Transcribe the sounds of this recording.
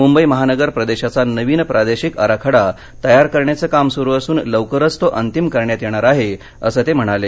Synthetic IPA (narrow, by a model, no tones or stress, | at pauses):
mumbəjməɦanəɡəɾpɾəd̪eɕat͡sanəʋiːnpɾʔad̪eɕikəɾakʰəɽa | t̪əjaɾkəɾɳjat͡səːkamsuɾuːəsuːnləʋkəɾət͡st̪oʔənt̪imkəɾɳjat̪jeɽ̃aɾaɦe | əsəːt̪em̤əɽ̃ale